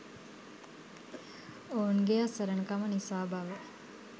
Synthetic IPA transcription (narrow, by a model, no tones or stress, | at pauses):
oːunɡeasəɾənəkamənisaːbaʋə